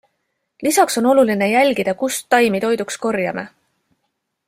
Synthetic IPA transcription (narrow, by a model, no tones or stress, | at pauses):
lisɑkso̞no̞luline̞jælʲɡid̪̥ɑkust̪ːɑjmit̪o̞jd̪uksko̞rjɑme